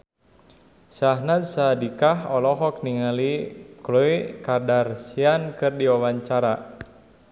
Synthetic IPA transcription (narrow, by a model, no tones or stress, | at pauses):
sahnat̪sadikaɦɔlɔɦɔk̚niŋalikloikardarsiankɨrdiwawaɲt͡ʃaɾa